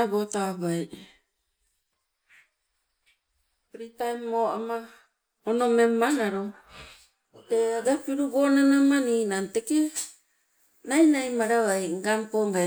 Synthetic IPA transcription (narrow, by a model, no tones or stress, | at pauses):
abo̞taβaj | pɾitajoʔama | ono̞me̞mːanaɾo | teaɡapiɾubo̞nanamaninante̞ke | najnajmaɾaβajŋɡampoŋɡa